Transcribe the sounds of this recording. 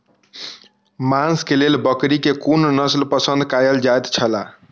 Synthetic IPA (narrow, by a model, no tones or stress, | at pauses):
manskelelbəkɾikekunnəslpəsə̃nd̪kajəld͡ʒajt̪t͡ʃʰəla